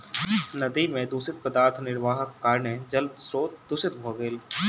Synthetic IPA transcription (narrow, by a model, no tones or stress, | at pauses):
nɐd̪imẽd̪uːsɪt̪̚pəd̪aːɾt̪ʰnɪɾʋaːɦəkːaːɾned͡ʒɐld̪sɾoːt̪̚d̪ʊsɪt̪̚bʱoːɡeːl